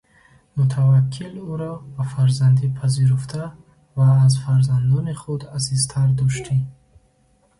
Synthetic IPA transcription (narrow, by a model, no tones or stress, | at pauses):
mut̪ʰavakʰːiluɾɔbafaɾzand̪ipʰaziɾuft̪ʰa | vaːzfaɾzand̪ɔniχud̪asizt̪ʰaɾd̪ɔʃt̪ʰi